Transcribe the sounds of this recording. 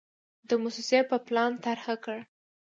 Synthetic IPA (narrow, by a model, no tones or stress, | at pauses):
d̪əmʊsisjapəplɑnt̪aɾxakəɽ